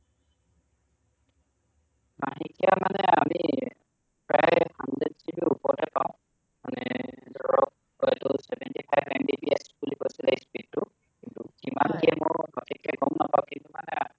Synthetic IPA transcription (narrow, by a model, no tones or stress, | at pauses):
maɦikijamanɛamii | pɹajhandɹɛdsibiupɔɹtɛpaʊ̃ | manɛdɔɹɔk̚ | hɔjtʊsɛbɛntipʰajbɛmbibiɛsbuliposileispid̚tʊ | kintukimankiɛmʊɹɔtʰikʰːɛɡɔmnapaʊ̃kintumanɛ